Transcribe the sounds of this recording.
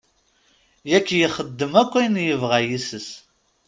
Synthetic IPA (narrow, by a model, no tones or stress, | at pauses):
jækːjəχəd̪ːəmækʷːæjnjəvʁæjisəs